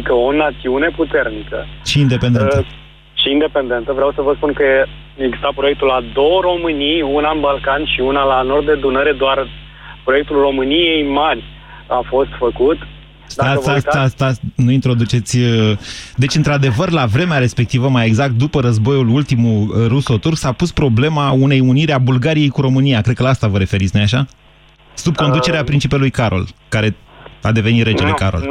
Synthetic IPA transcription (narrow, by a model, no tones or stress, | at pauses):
ikəo̞nat̪siune̞put̪e̞rnikəʃiːnd̪e̞pe̞d̪e | ʃiːnd̪e̞pe̞nd̪e̞nt̪əvɾeawsəvəspunkəe | eɡzi̥st̪apɾo̞jek̚t̪ulad̪o̞wro̞mɨnijunanbalkanʃiunalano̞rd̪d̪ed̪unəɾe̞d̪oar | pɾo̞jek̚t̪ulro̞mɨnije̞jmarʲ | afo̞st̪fəkut̪ | sd̪aəsasast̪anuint̪ɾo̞d̪ut͡ʃe̞t̪sʲ | d̪e̞t͡ʃʲɨnt̪ɾad̪e̞vərlavɾe̞meaɾe̞spe̞k̚t̪ivəmaje̞ɡzak̚t̪̚d̪upəɾəzbo̞julult̪imuruso̞t̪urksapuspɾo̞ble̞maune̞juniɾeabulɡaɾije̞jkuɾo̞mɨnijakɾed̪̚kəlaast̪avəɾe̞fe̞ɾit̪snojaʃa | sub̚ko̞nd̪ut͡ʃe̞ɾeapɾint͡ʃipelujkaɾo̞̰lkaɾe̞a̰d̪e̞venit̪red͡ʒelekaɾo̞̰l